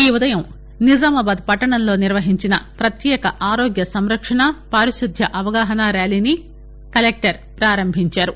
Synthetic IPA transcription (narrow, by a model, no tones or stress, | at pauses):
iːud̪ɐjɐm | nid͡ʒaːmɐbaːd̪̚pɐʈːɐɳɐnlo̞ːniɾʋɐɦiɲt͡ʃinɐpɾɐt̪jɛːkɐʔaːɾoːɡjɐsɐmɾɐkʂɐɳɐpaːɾiʃud̪ʱjɐʔɐʋɐɡaːɦɐnaːɾaːliːni | kɐlek̚ʈɐɾ | pɾaːɾɐmbʱiɲt͡ʃaːɾu